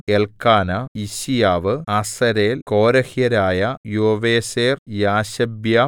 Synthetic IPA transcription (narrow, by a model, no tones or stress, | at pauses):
eɭkaːnɐiɕijaːʋɨɐsɐɾeːlkoːɾɐhijɐɾaːjɐjoːʋeːseːrjaːɕɐbjɐ